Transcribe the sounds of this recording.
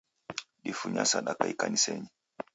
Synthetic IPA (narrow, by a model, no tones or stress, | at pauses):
ɗifuɲasaɗakaikaniseɲi